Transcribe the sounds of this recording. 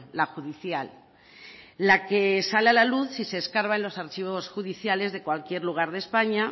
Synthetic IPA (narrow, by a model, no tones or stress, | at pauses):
laxuðiθjal | ake̞salealaluθsise̞ːskaɾβaenlo̞saɾt͡ʃiβo̞sxuðiθjale̞zðe̞kwalkje̞ɾluɣ̞aɾð̞e̞spaɲa